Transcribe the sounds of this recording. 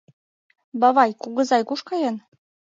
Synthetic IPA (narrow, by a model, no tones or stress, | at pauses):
bɑβɑjkuɣɤ̆zɑjkuʃkɑjɤn